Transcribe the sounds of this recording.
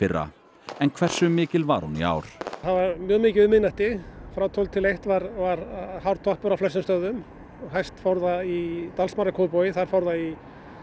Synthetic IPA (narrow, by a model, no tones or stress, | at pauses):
ɪrːa̰ | ɛnkʰvɛr̥sʏmːɪːcɪlva̰ɾ̥hunḭa̰wɾ̥avaɾmjœːɣmɪːcɪʏmɪnaht̪ɪfɾaːwt̪ʰowlt̪ʰɪlejht̪vaɾvaɾhawɾt̪ʰɔhpʏɾaflɛs̬ɪmst̪œðʏm | ɦajst̪fawɾðait̪alsmarakʰoʏpɔwjɪθaɾ̥fawɾðai